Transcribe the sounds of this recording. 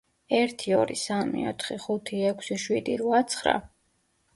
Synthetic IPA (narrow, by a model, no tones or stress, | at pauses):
ɛɾt̪ʰiɔɾisamḭɔt̪ʰχiχut̪ʰiɛkʷʰsiʃwid̪iɾuat̪sʰχɾa̰